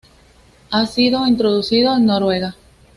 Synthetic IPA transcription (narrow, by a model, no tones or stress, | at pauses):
asiðoint̪ɾoðuθiðoennoɾwe̞ɣa